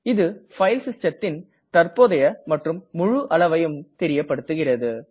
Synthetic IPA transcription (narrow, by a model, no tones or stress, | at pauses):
ɪðɯfɐɪlsɪst͡ʃɐt̪ːɪn | t̪ɐrpoːðɐjɐmɐʈrɯmːʊɻʊʔɐɭɐʋɐjɯmt̪ɛɾɪjɐpːɐɽɯt̪ːɯɣɪrɐðɯ